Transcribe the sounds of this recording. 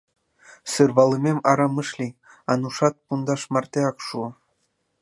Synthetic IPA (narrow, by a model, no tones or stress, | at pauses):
sɯrʋɑlˠɤ̆mʲemɑɾɑmɤ̆ʃlʲi | ɑnuʂɑt̪̚pund̪ɑʃmɑrt̪ʲeɑkʃu